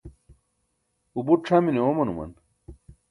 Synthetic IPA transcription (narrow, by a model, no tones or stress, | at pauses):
ubuʈ͡ʂʰaːmineomɐnumɐ̰n